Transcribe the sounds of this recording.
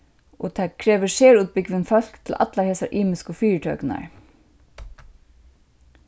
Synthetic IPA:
ɔ̰t̪ʰaːkʰɾɛːʋɪseːɹuːt̪̚pɪkʋɪnfœl̥kt̪ʰɪla̰t̪laheːsaɹʔiːmɪskɔfiːɹt̪ʰœ̰ːkna̰ɹ

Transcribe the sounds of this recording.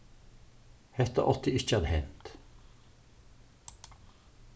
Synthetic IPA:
hɛt̪ə̰ʔɔt̪ʰɪɪçəɑd̪hɛnt̪

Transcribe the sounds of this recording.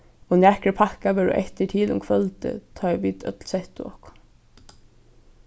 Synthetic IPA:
ɔnæːkɹəpʰakaʋɛɹʊ̰ʔɛ̰ht̪əʈʰiːlʊ̰mkʰʋœlt̪ə̰t̪ʰɑːʋiːt̪œ̰t̪lsɛht̪ʊɔ̰hkʊ̥

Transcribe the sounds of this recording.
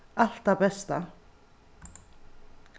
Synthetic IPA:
alt̪abɛst̪a̰

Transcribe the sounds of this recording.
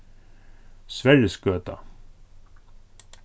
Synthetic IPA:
svæɾjəsɡøːt̪a̰

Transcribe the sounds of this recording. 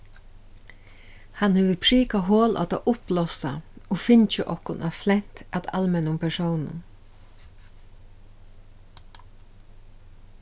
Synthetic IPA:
hanheːʋəpʰɾiːkaɦoːlʔɔ̰t̪a̰ʔʊplɔst̪aofɪɲt͡ʃɪʔɔhkʊnʔaflɛn̥t̪at̪a̰lmɛnʊmpʰɛsɔwnʊ̰n

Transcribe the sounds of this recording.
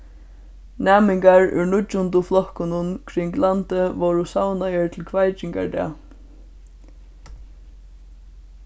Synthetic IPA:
nɛːmɪŋkaɹʏ̰ɹɳʊt͡ʃːʊnt̪ʊflɔhkʊnʊnkʰɾɪŋklant̪əʋɔɹʊsawnajəɹt̪ʰɪlkʰvajt͡ʃɪŋka̰ɹd̪ɛ̰ː

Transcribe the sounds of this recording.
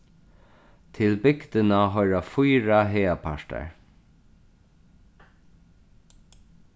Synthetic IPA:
t̪ʰɪlbɪkt̪ɪnaɦɔjɾafujɹaɦɛːapʰaʂta̰ɹ

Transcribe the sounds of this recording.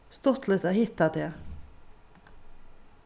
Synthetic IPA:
st̪ɔt̪lət̪ahɪt̪ːad̪ɛ

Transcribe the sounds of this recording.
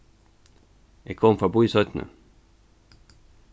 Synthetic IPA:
ekʰɔmfʁɑbuːisœt̪nə̰

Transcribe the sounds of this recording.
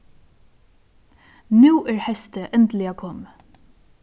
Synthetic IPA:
nʉːɛɹhɛst̪əʔɛnt̪lɪakʰɔːm

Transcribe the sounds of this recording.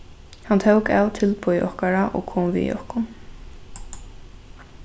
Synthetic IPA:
hant̪ʰœwkaːwt̪ʰɪlpʊjʔɔhkaɾaʔɔ̰ɣkʰoːmvḭjɔ̰hkʊn

